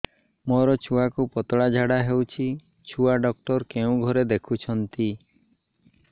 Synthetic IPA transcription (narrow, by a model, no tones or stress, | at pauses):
mɔɾɔt͡ʃʰuakupɔt̪ɔɽad͡ʒʱaɽaɦewt͡ʃʰi | t͡ʃʰuaɖɔk̚ʈɔɾkeũɡʱɔɾed̪ekʰut͡ʃʰɔnt̪i